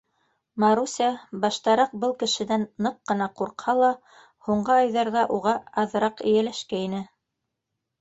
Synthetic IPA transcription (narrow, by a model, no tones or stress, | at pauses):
mɑɾusʲɑbɑʃt̪ɑɾɑq̚bɤlˠkɘ̆ʃɘ̆nænːɤqːɤ̆nɑquɾqhɑlˠɑ | huɴɢɤɑjðɑɾðɑʔuʁɑɑðɤ̆ɾɑqɘ̆jælæʃkæinɘ